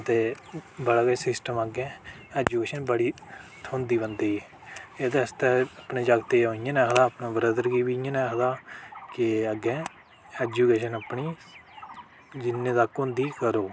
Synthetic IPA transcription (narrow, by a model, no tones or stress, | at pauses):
t̪eːbəɽaːɡesɪsʈəməɡɛ̃ː | ɛːd͡ʒuːkeːʃənbəɽiːt̪ʰõːnd̪iːbənd̪eːiː | et̪eəst̪ɛːəpɳeːd͡ʒaːɡt̪eːɦoːɪjãːnɛːkʰəd̪aːpnãːbəɾəd̪əɾɡiːbiãːnɛ̃ːkʰəd̪aːkɪəɡɛ̃ː | ɛːd͡ʒuːkeːʃənəpɳiː | d͡ʒɪnːẽːd̪aːkõːnd̪iːkəɾoː